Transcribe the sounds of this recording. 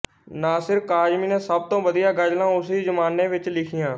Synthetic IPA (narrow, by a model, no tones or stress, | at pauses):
nãːsɪɾkaːd͡ʒmiːnẽːsəb̚t̪õːʋəd̪ijaːɡəd͡ʒlãːʊsiːd͡ʒəmaːnẽːʋɪt͡ʃlɪkʰɪjãː